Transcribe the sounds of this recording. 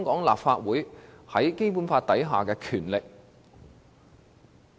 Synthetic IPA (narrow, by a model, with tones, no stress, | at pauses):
ŋkɔː˨˥ŋla̰ː˨p̚faː˧t̚wuː˨˥jhɐ˨˥jke˥jpu˨˥nfaː˧t̚t̪ɐ˨˥jɦaː˨kɛː˧kʰyː˨˩nlɪ˨k̚